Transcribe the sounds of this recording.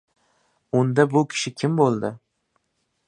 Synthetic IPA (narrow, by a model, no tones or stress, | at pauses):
ʊnd̪abʊkʲʰɪ̥ʃɪkʲʰɪmbolˠd̪ɪ